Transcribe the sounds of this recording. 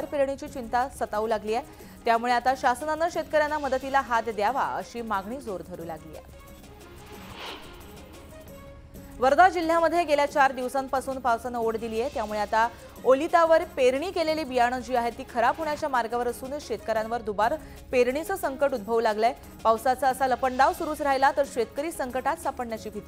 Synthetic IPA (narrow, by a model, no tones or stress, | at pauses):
aɾpeɾɳ̃it͡ɕiːt͡ɕint̪asət̪aʋuːlaɡliːje | t̪jamuɭeat̪aɕasənanəɕet̪̚kəɾjanːaməd̪ət̪ilaɦat̪d̪jaʋa̰ə̰ɕiːmaɡɳ̃iːd͡zoɾd̪ʱəɾuːlaɡlḭːḛ | ʋəɾd̪ʱad͡ʑil̤ːjaməd̪ʱjeɡeljat͡ɕaɾd̪iʋsampasuːnpawsanəoɽd̪iliːjet̪jamuɭeat̪a | olit̪aʋəɾpeɾɳiːkeleliːbijaɽ̃əd͡ʑiːaɦet̪ːiːkʰəɾabɦoɳjat͡ɕjamaɾɡaʋəɾəsuːnkɕet̪kəɾjãnʋəɾd̪ubaɾ | peɾɳit͡səːsəŋkəʈud̪̚bʱəʋlaɡla | pawsaət͡saəsaləpəɳɖaʋsuɾuːt͡sɾajlat̪əɾɕʋet̪kəɾiːsəŋkəʈat̪sapəɳnjat͡ɕiːbʱit̪i